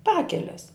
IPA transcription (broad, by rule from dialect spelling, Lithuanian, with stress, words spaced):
ˈpɑːkʲɛlʲɛs